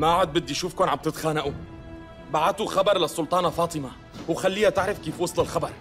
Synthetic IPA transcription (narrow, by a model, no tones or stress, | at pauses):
maʕʊd̪̚bɪd̪ːijʃuːfkoːnʕab̚t̪ɪt̪xaːnaʔu | baʕat̪uxɑbɑɾˤlɪsˤːʊlt̪ˤɑːnafɑːt̪ˤɨma | wxalːiːhat̪ɪʕɾɪfkiːfwɑsˤlɪlxɑbɑɾˤ